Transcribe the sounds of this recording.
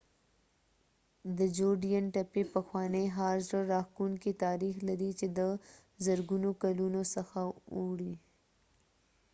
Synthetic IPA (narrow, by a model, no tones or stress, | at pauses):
d̪əd͡ʒoɖijanʈapepəxwɑneɦɑɾzɾəɾɑxkuŋkit̪ɑɾixlaɾit͡ʃed̪ə | zəɾɡunokalunosəxauɽi